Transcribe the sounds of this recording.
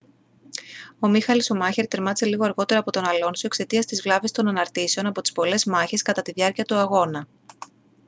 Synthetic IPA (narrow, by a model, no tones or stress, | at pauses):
o̞mixɐliso̞mɐçe̞ɾt̪e̞ɾmɐt͡seliɣoɐɾɣo̞t̪e̞ɾɐːpo̞t̪o̞nɐlo̞nsuekse̞t̪iɐst̪izvlɐvest̪o̞nɐnɐɾt̪ise̞o̞nɐpo̞t̪i̥spo̞le̞zmɐçe̞skɐt̪ɐt̪iðʝɐɾciɐt̪uɐɣo̞nɐ